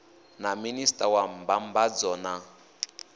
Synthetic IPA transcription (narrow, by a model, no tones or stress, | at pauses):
naministʼawambambad͡zɔna